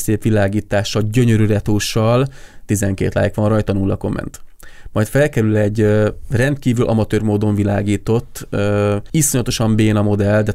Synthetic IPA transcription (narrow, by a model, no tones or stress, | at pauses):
seːpʋilaːɡiːt̪aːʃːɒlɟø̞ɲøɾyɾɛt̪oːʃːɒlt̪izɛŋkḛːt̪la̰ːjikʋɒnrɒjt̪ɒnulːɒko̞̰mɛ̰nt̪ | mɒjt̪fɛlkɛɾylɛɟrɛnt̪kiːvylʔɒ̰mɒt̪øːrmoːd̪o̞ɱvila̰ːɡiːt̪o̞t̪ːøisoɲɒt̪o̞ʃɒmbeːnɒmo̞d̪ɛld̪ɛ